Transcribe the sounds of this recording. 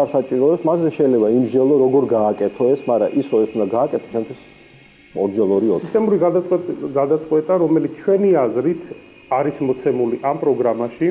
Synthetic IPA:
aɾsat͡ʃʼiɾɔɛsmaszɛʃɛjlɛbaimʒd͡ʒɛlˠɔɾɔɡɔɾɡaːkʼɛt̪ʰɔɛsmaɾa̰ʔisɾɔɛsund̪aɡaːkʼɛt̪ʰɔ̥t͡ʃʰɛmt̪ʰwis | ɔɾd͡ʒɛlˠɔɾiɔɛt̪ʼɛmbɾi | ɡad̪at̪sʼqʼwɛt̪ʼaɾɔmɛlit̪ʰt͡ʃʰwɛniazɾit̪ʰ | aɾismɔt̪sʰɛmuliʔampʼɾɔɡɾamaʃi

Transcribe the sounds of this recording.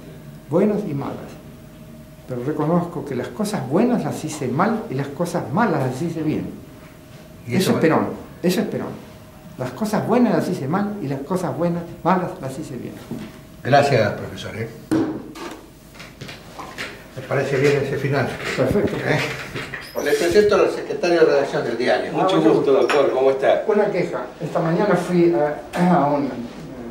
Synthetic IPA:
bwenosima̰la̰s | peɾoreko̞noskokelaskosazβwenaslasisemalilaskosazmalaslasiseβjḛn | ieesepeɾo̰n | esoehpeɾo̰n | laskosazβwe̞naslasisemalilaskosazβwenasmalaslasiseβjḛn | ɡɾasjaspɾofesoɾes | lepaɾeseβjenesefinalpeɾfek̚t̪oe | lepɾesent̪oalsekɾet̪aɾjoðereðaksjond̪eld̪iaɾjomut͡ʃoɣust̪oðokt̪oɾkomoest̪asunakexaest̪amaɲanafwiaaun

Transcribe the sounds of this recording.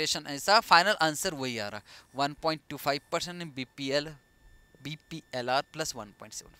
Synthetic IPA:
eɕənɐjsafajnɐlʔãnsəɾʋoia̰ːɾa̰ʋɐnpɔiɳʈʈuːfajʋpəɾsẽɳʈːĩbiil | bipielaɾplɐsʋɐnpɔ̰ĩɳʈseʋən

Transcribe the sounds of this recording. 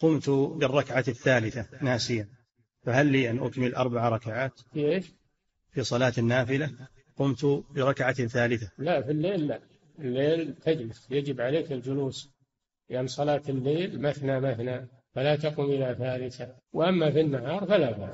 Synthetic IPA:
qʊmt̪bɪrˤːɑkʕaθːaːlɪθanaːsɪjan | faɦalːiːʔanʔʊkmɪlʔɑ̰ɾˤbaʕaɾˤɑkaʕaːt̪fiʔeːʃ | fisˤɑlaːt̪anːaːfɪla | qʊmt̪bɪɾˤɑkʕaθaːlɪθalaʔfilːeːlːaʔ | ɪlːeːlt̪ʰad͡ʒlɪsjad͡ʒɪbʕaleːkɪld͡ʒʊluːs | lɪʔanːsˤɑlɑːt̪ɪlːeːlmaθnamaθna | falat̪ɑqumʔɪlaθaːlɪθa | wʔamːafinːahɑːɾˤfalaba̰ː

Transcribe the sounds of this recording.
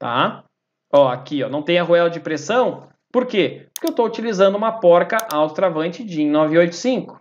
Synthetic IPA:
t̪a̰ | ɔakiɔ̰nɐ̃w̃t̪ẽj̃ɐɦuɛlɐd͡ʒɪpɾesɐ̃w̃ | poɾkepoɾkeewst̪out͡ʃilizɐ̃nd̪ʊũmɐpɔɾkɐʔawst̪ɾavɐ̃nt͡ʃɪd͡ʒɪẽj̃nɔviojt̪ʊ̥sĩŋkʊ̥

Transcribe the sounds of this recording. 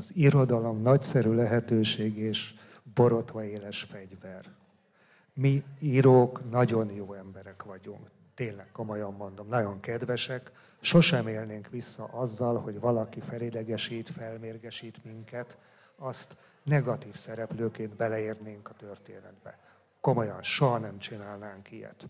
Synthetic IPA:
ziɾo̞d̪ɒlo̞mnɒcsɛɾylɛɦɛt̪øːʃeːɡeːʃ | bo̞ɾo̞t̪ʋɒeːlɛʃfɛɟvɛr | miiːɾoːknɒɟo̞njoːɛmbɛɾɛkʋɒɟuŋk | t̪eːnlɛkːo̞mo̞jɑmːo̞nd̪o̞mnɒɟo̞ŋkɛd̪ʋɛʃɛk | ʃo̞ʃɛmeːlneːŋkʋisːɒ̰ʔɒzːɒlho̞ɟʋɒlɒkifɛlid̪ɛɡɛʃiːt̪fɛlmeːrɡɛʃiːt̪miŋkɛt̪ | ɒst̪ | nɛɡɒt̪iːfsɛɾɛpløːkeːnd̪bɛlɛeːrneːŋkɒt̪ø̞rt̪eːnɛ̰d̪bɛ̰ | ko̞mo̞jɒnʃoɦɒnɛmt͡ʃinaːlnaːŋkijɛ̰t̪

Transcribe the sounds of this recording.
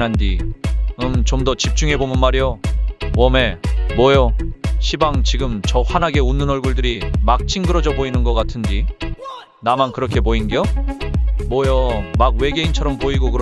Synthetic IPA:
nandiɯmt͡ɕomdʌt͡ɕip̚t͡ɕ͈uŋɦe̞bomɯnmaɾijowʌme̞mwʌjʌɕʰibaŋt͡ɕiɡɯmt͡ɕʌɸanaɡe̞unːɯnʌɭɡuɭdɯɾimak̚t͡ɕʰiŋɡɯɾʌd͡ʑʌboinɯnɡʌk͈atʰɯndi | namankɯɾʌkʰepoinɡijo | mwʌjʌmaɡwe̞ɡe̞int͡ɕʰʌɾʌmpoiɡokɯɾ

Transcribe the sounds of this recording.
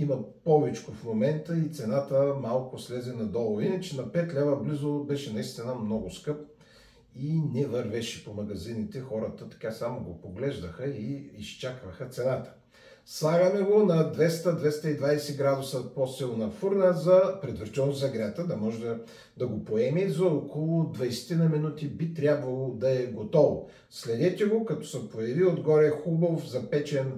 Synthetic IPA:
imɐpɔvɛt͡ʃkofmomɛnt̪əit̪sɛnat̪əmalˠkʊslɛzɛnɐd̪ɔlˠʊvinɐt͡ʃɛnɐpɛt̪lʲɛvəblizʊbɛʃɛnɐist̪inəmnɔɡʊskɤp̚ | inɛvɐɾvɛʃɛ̥pomɐɡɐzinit̪ɛxɔɾət̪ət̪ɐ̥kasamoɡopoɡlɛʒd̪əxəiːst͡ʃakvɐxɐt̪sɛnat̪ə̥ | slˠaɡɐmɛɡonɐd̪vɛst̪əd̪vɛst̪əid̪vajsɛɡɾad̪ʊsəposɛlˠnɐfuɾnəzɐpɾɛd̪vəɾt͡ʃ̪ɛlzɐɡɾʲat̪əd̪ɐmɔʒɛd̪ɐ | d̪ɐɡopoɛmizɐokolˠʊd̪vɐjsɛ̥t̪inəminut̪ibit̪ɾʲabvɐlˠod̪ɐɛɡot̪ɔvo | slɛd̪ɛt̪ʲɛɡokɐt̪ɔ̥sɐpojɐviod̪ɡɔɾɛxubofzɐpɛt͡ʃɛn

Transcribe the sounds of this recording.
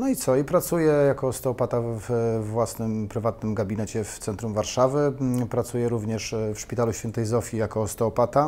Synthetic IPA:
nɔit̪sɔipɾat̪sujɛjakɔst̪ɛɔpat̪avvːwasnɘmpɾɘvat̪nɘmɡabʲinɛt͡ɕɛft̪sɛnt̪ɾumvaɾʂavɘpɾat̪sujɛɾuvɲɛʂfʂpʲit̪aluɕfʲɛnt̪ɛjzɔfʲjijakɔst̪ɛːpat̪a

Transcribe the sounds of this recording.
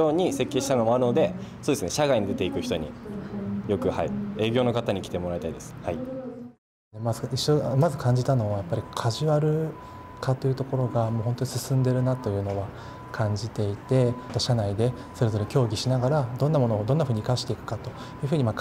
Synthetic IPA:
oːɲ̟ise̞kʲːe̞ːɕi̥t̪ano̞moaɾɯ̟no̞d̪e̞soːd̪esɨneɕaɡaiɲid̪e̞t̪e̞ikɯ̟çi̥t̪o̞ɲḭ | jo̞kɯ̟ha̰ie̞ːɡʲo̞ːno̞kat̪aɲ̟ikʲi̥t̪e̞mo̞ɾait̪aid̪e̞sɨ̥hai | emazɨiɕːo̞mazɨkʰãɲ̟d͡ʑit̪ano̞βajapːaɾʲikʰaʑiβaɾɯ̟ | kat̪ːo̞jiɯ̟t̪o̞ko̞ɾo̞ɡamoːɦõ̞nt̪o̞ɲisɨsɨ̃nd̪e̞ɾɯ̟nat̪o̞jɯ̟ːno̞βa | kʰãɲd͡ʑit̪e̞it̪e̞t̪ːaɕanaid̪e̞ | so̞ɾe̞zo̞ɾe̞kʲo̞ːɡʲiɕinaɡaɾad̪õ̞nːamo̞no̞ːd̪o̞nːaɸɯ̟ːɲ̟ikaɕi̥t̪e̞ikɯ̟̥kat̪o̞ | jɯ̟ːɸɯ̟ːɲ̟imak

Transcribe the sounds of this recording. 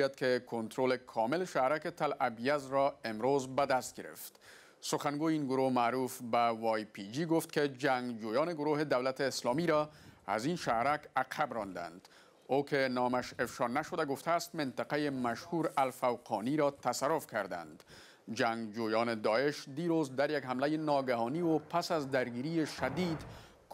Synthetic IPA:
jad̪̚kekont̪ɾolekʰɒmɪleʃahɾaket̪alabijazɾɔemɾozbad̪ast̪̚ɡeɾḛft̪ | soxanɡojeiːnɡʊɾohmaɾufbawɒjpid͡ʒiɡoft̪ked͡ʒaŋɡd͡ʒojɒːneɡʊɾoɦed̪awlat̪eːslɔmiɾɔa̰zinʃahɾakaqʰabɾɔnd̪a̰nd̪ | okenɔmaʃefʃɒnaʃod̪aɡʊft̪ʰaːst̪mɪnt̪aqajemaʃhuɾalfawqʰɔ̰niɾɒt̪asaɾofkaɾd̪a̰nd̪ | d͡ʒaŋɡd͡ʒojɒːned̪ɒeʃd̪iɾozd̪aɾjaɡhamlajenɒɡaɦɒniwopasazd̪aɾɡiɾieʃad̪id̪ | k

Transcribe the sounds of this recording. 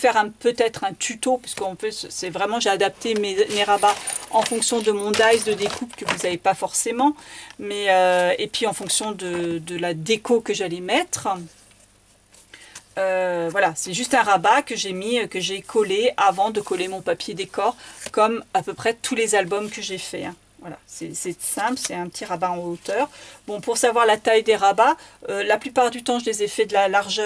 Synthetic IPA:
fɛʁɛ̃pøt̪ɛt̪χɛ̃t̪ʰyt̪opaskəɔ̃pøssɛvʁɛmɑ̃ʒead̪ap̚t̪ememeʁabaɑ̃fɔ̃ksjɔ̃d̪əmɔ̃d̪ajsd̪əd̪ekʰupkəvuzavepafɔʁsemɑ̃mɛøepɥiɑ̃fɔ̃ksjɔ̃d̪əd̪əlad̪ekokəʒalɛmɛt̪χ | øvwalasɛʒyst̪ɛ̃ʁabakəʒemiøkəʒekʰɔleavɑ̃d̪əkɔlemɔ̃papjed̪ekɔʁkɔmapøpχɛt̪ʰulezalbɔmkəʒefɛ̰ɛ̃ | vwala̰sɛsɛsɛ̃plsɛt̪ɛ̃pət̪ʰiʁabaɑ̃ot̪œʁbɔ̃puʁsavwaʁlat̪ajd̪eʁabaølaplypaʁd̪yt̪ɑ̃ʒəlezɛfɛd̪əlalaʁʒœ

